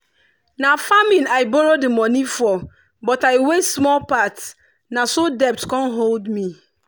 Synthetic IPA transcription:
nãfamĩnaɪbɔɾodɪmɔ̃nĩfɔ | bɔtaɪwesmɔlpats | nãsodɛp̚tkʰɔ̃nɦoldmĩ

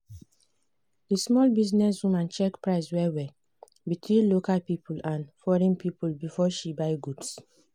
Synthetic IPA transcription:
dismɔlbiznɛs̬wũmãnt͡ʃɛkpɹaɪswɛwɛ | bitʰwĩnlokalpipʰulãnfɔɹɛ̃npipulbifɔʃibaɪɡuds

